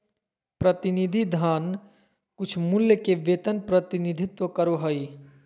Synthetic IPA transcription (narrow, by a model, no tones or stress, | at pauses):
pɾət̪ɪnid̪ʱid̪ʱaːn | kʊt͡ʃʰmʊljəkeʋeːt̪ənpɾət̪ɪnɪd̪ʱɪt̪wəkəɾoɦəi